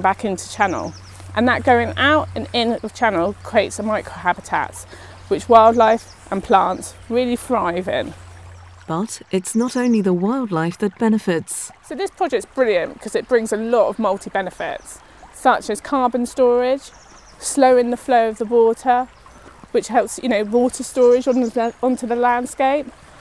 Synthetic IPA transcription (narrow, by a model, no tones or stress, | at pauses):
bakɪ̃ntʰə̥t͡ʃʰanə̰lˠ | ʔə̰̃nðəʔɡ̥əʊɪ̃ŋaʊtə̃nɪ̃nəv̥t͡ʃʰanəlˠkʰɹ̥ieɪtsəmaɪkʰɹ̥əʊɦabɪtʰa̰ts | wɪt͡ʃwaɪlˠdˡlaɪf | ʔə̃npʰl̥ɑ̃ˑnts | ɹɪəlifɹaɪvɪ̰̃n | b̥ʌtɪtsnəɾə̃ʊ̃nliðəwaɪlˠdˡlaɪfðət̚b̥ɛnəfɪtssəʊðɪspʰɹ̥ɒd͡ʒɛktsb̥ɹɪljə̃nkʰɒzɪʔb̥ɹɪ̃ŋzəlɒtəvmʌlˠtʰibɛnɪfɪ̰ts | sʌt͡ʃəz̥kʰɑːbə̃nstɔːɹɪd̥ʒ̥ | sləʊɪ̃nðəfləʊəvðəwɔˑtʰə | wɪt͡ʃhɛlˠpsjɨnəʊwɔˑtʰəstɔːɹɪd͡ʒə̃nɒ̃ntʰuðəlãnd̥skeɪp